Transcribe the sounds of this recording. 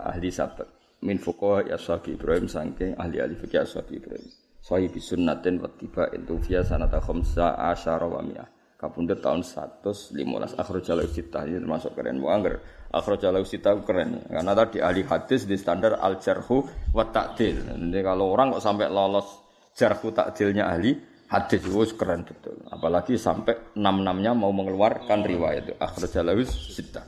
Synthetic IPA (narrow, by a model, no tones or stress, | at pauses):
a̰hlisa̰b̥ət̪̚ | mɪnfukɔajʔa̰saɡiib̥ɾaɦɪmsaŋkɪŋa̰hlia̰lifəkiaswa̰ɡiib̥ɾa̰ɪm | saɦibisʊnːat̪ɪnwa̰t̪ːib̥aʔɪ̰nt̪ufiasanat̪axɔmsaʔa̰ʃaɾʔɔwa̰mḭa̰h | kapundʊt̪a̰ʊnst̪a̰t̪ʊslḭma̰lʔa̰sa̰xɾɔd͡ʒalaust̪it̪aɦinit̪ərmasʊʔkəɾɛ̰nwɔ̰aŋɡəɾʔa̰xɾod͡ʒalawisit̪aukəɾɛn̰karnat̪ad̥iʔaɦliɦad̪̥ɪsdist̪andara̰ld͡ʒərhuwat̪ːaʔd̪̥ɪlikaloːɾaŋkɔʔsampɛʔlɔlɔs | d͡ʒ̥ərhut̪a̰ʔd̪̥ɪlɲaʔa̰ɦli | had̪̥ɪswoskəɾɛnbət̪ʊ̰la̰palaɡisa̰mpɛʔnamnamɲamauməŋəluarkanriwa̰ja̰t̪uʔa̰xɾod͡ʒalawɪsːit̪a